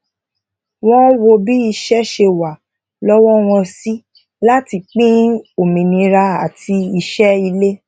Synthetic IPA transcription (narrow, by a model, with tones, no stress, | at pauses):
w̃ɔ̃˦wo˧bi˦i˧ʃɛ˦ʃe˧wa˨ | lɔ˦wɔ˦w̃ɔ̃˧si˦ | la˦ti˧k͡pĩ˦o˨mĩ˨nĩ˧ɾa˧a˨tʰi˧i˧ʃɛ˦i˧le˦